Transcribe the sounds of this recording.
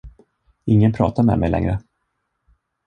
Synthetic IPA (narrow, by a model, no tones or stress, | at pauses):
ɪŋːənpʰɾɑ̰ːt̪aɾmɛ̰mɛjlɛ̰ŋɾə